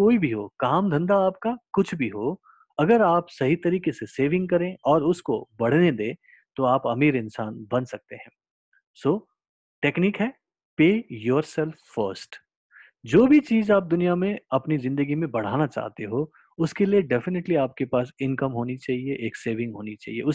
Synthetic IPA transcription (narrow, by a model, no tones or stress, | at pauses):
koːibʱiɦoːkaːmd̪ʱɐ̃nd̪aaːp̚kakʊt͡ʃʰbʱiɦoː | ɐɡəɾaːpsɐɦit̪ɐɾiːkeseseːʋɪ̃ŋɡ̚kɐɾẽɔːɾʊskobɐɽ̤ned̪ẽː | t̪oaːpɐmiːɾɪ̃nsaːnbɐnsɐk̚t̪eɦɛ̃ː | soː | ʈeːkniːkɦɛː | peːjɔːɾsɛlfːəːɾsʈ | d͡ʒoːbʱit͡ʃiːzaːp̚d̪ʊnijamẽɐpnizɪ̃nd̪əɡimẽbɐɽ̤aːnat͡ʃa̰ːɦt̪eɦoː | ʊskelieɖɛfɪneʈliaːp̚kepaːsɪ̃nkəmɦoːnit͡ʃaːɦieʔeːkseːʋɪ̃ŋɡɦoːnit͡ʃa̰ːɦiḛʊ